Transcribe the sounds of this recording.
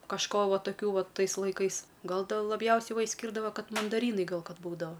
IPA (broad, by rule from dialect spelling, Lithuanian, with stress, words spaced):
kɐʃˈkoː ˈʋɐ tɐˈkʲuː ˈʋɐ ˈtɐɪs lˠɐɪˈkɐɪs ˈɡɐlˠ dʲeːlˠ lˠɐˈbʲjɛʊsʲɛɪ ˈʋɐ ɪʃʲsʲˈkʲiːrdɐʋɐ ˈkɐt mɐndɐˈrʲiːnɐɪ ˈɡɐlˠ ˈkɐt ˈbuːdɐʋɐ